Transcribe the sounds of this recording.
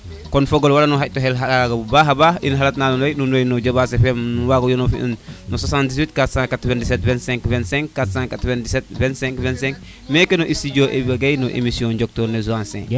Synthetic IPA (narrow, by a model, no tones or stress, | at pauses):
kɔnfoɡolwalanuɦac̚toɦɛlɦaɾaɡabubaːɦabaʔḭnɦalatnaːnunojnunojnɔɟobaːsefemnuwaɡojonofḭṵnnoswasãndiszwitkatsãŋkatventisetvɛ̃ntsɛ̃ŋkvɛnsɛ̃ŋkːatsãŋkatvendiset̚vɛ̃nsɛ̃ŋkvɛ̃nsɛ̃ŋk | mekenoʔisiɟoʔebibaɡajnoʔḛmisiɔ̃ɟok̚toɾnezuãnsḛ̃ŋ